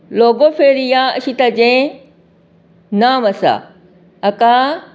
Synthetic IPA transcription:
loːɡopʰeːɾijãɐɕit̪ɐd͡ʑẽ | naːmɐsa̰ | ɐka

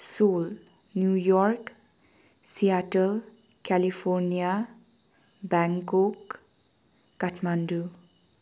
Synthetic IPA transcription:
sol | njujɔrk | sijaʈəl | kalipʰɔɾnija | baŋkok | aʈʰmandu

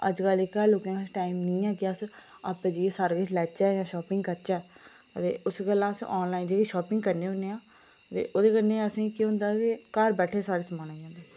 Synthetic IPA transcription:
ə̰d͡ʒkəlɪkaloːkãːkət͡ʃʰʈaːimnĩːãːkɪəs | aːpːẽːd͡ʒiesaːɾeːkɪt͡ʃʰlɛːt͡ʃaːjãːʃɔːpɪŋɡkəɾt͡ʃaː | ət̪ḛːʊsɡəlãːsɔːnlaːind͡ʒeːkeʃɔːpɪŋɡkəɾneːʊneːãː | t̪ḛːʔoːd̪eːkənːeːəsĩːikiɦʊ̃nd̪aːkekəɾbɛːʈʰeːsaːɽeːsəmaːnaːd͡ʒãːnd̪eː

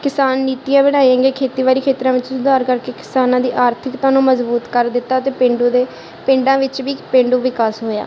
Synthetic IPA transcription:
kɪsaːnːiːt̪ɪjãːbəɽ̃aːiãːŋɡeːkʰeːt̪iːʋaːɾiːkʰeːt̪ɾãːʋɪt͡ʃsʊd̪aːɾkəɾkeːkɪ̥saːnãːd̪iːʔaːɾt̪ʰɪkt̪ãːnũːməzbuːt̪kəɾd̪ɪt̪ːaːət̪eːpɪ̃ɳɖõːd̪eː | pɪ̃ɳɖãːʋɪt͡ʃʋiːpẽɳɖũːʋɪkaːsɦoːja̰ː

